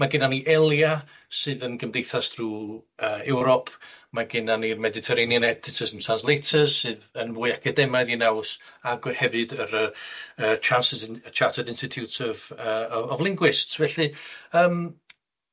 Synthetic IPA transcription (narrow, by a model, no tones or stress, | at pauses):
maɡɪnaniʔɛlˠja | sɨːðənɡəmdejθasd̥ruːəːɛwɾɔpʰmaɡɪnanirmɛdɪtʰɛɾenjənɛtʰɪtʰəsənsʰanzlˠejtʰəz̥sɨːðənvʊːjakʰədɛmajðinawsaɡhɛvɨdəɾəət͡ʃʰansɪst͡ʃʰatʰədɪnstɪtʰjutɪvəɔvlˠɪŋɡwɪstsvɛɬɨəːm